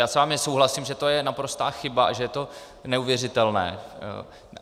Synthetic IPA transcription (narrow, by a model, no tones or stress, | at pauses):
jaːsvaːmɪsowɦlasɪmʒɛt̪o̞jɛnapɾo̞st̪a̰ːxɪbaʔa̰ʒɛjɛt̪o̞ | nɛuvjɛrɪt̪ɛlnɛ̰ː